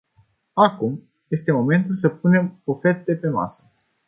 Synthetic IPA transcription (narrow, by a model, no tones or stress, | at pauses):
akum | je̞st̪emo̞me̞nt̪ulsəp̚une̞mofet̪d̪e̞pe̞ma̰sə̥